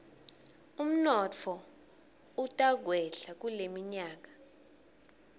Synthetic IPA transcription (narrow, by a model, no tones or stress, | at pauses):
um̩nɔt͡fʰɔ | utʼaɡ̬ʱwɛɬak̬ulemiɲaːk̬ḁ